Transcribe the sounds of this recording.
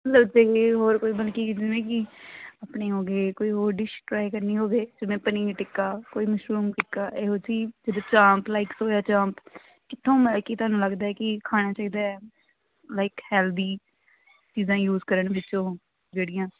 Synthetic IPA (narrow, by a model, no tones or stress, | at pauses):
mət̪ləbd͡ʒeːeːɦoːɾkoːiːbəlkiːd͡ʒɪnʋẽːkiːaːpɳeːɦoːɡeːkoːiːɦoːɾɖɪʃʈɾaːikəɾniːɦoːɡeːd͡ʒɪʋẽːpənĩːʈɪkːaːkoːiːməʃɾuːmʈɪkːaːʔeːɦoːsiːd͡ʒəd̪oːt͡ʃãːmplaːɪksoːjaːt͡ʃãːmp | kɪt̪ʰːõːməlkiːt̪ʊaːnũːləɡd̪aːɛːkɪkʰaːɽ̃aːt͡ʃaːiːd̪aːɛ | laːɪkhɛːld̪iː | t͡ʃiːzãːjuːzkəɾəɳʋɪt͡ʃõː | d͡ʒeːɽɪjãː